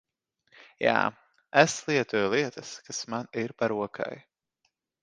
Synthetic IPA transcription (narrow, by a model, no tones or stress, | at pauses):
ja̰ː | ɛslˠiɛt̪ujlˠiɛt̪askasmaniɾpaɾuɔkʰa̰j